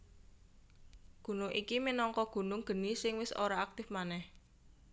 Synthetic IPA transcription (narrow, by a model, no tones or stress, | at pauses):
ɡ̥ṳnʊŋʔikiminɔŋkɔɡ̥ṳnʊŋɡ̥ə̤nisɪŋwɪso̰ɾaak̚t̪ɪfmanɛh